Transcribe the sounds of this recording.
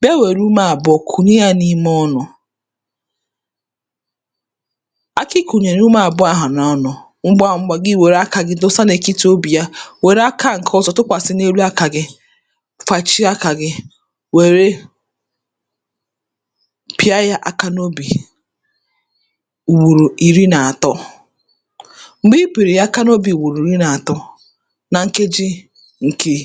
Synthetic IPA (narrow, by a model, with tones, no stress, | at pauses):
be˦we˨ɾu˦ma˦a˨bʊ˦ɔ˨kʰu˨ni˦ja˦ni˦m˦ɔ˦nɔ˨ | a˦kɪ˦ku˨ɲe˨ɾu˦ma˦a˨bʊ˦a˦ɦa˨na˨˦nɔ˨ | ŋ͡m̩˦ɡ͡ba˦˨ŋ͡m̩˦ɡ͡ba˨ɡɪ˦˨we˨ɾa˦ka˨ɡɪ˦dʊ˦sa˦ne˨ki˦to˦bi˨ja˦we˨ɾa˦ka˦ŋ̩˨kʰɔ˦zɔ˨tʊ˦kʷa˨sɪ˦ne˦ɾu˦a˦ka˨ɡɪ˦ | fa˨t͡ʃi˦a˦ka˨ɡɪ˦ | we˨ɾe˦ | pi˦a˦ja˦ʔa˦ka˦no˦bi˨ | u˨wu˨ɾu˨i˨ɾi˦na˨a˨tɔ˦ | ŋ͡m̩˨ɡ͡bi˦pi˨ɾi˨ja˦ka˦no˦bi˨u˨wu˨ɾu˨i˨ɾi˦na˨a˨tɔ˦ | na˨ŋ̩˦ke˦d͡ʒi˦ | ŋ̩˨ke˦